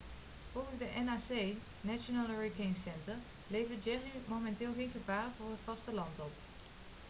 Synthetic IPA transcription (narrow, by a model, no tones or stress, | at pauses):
v̥ɔlˠχəzdəʔɛnaːsej | nat͡ʃonalˠəɹekeŋsɛntəɹ | lejvəd͡ʒɛrimomɛntɪːlˠχejnχəbaːɹvʊːɹɦətfɑstəlɑntɔp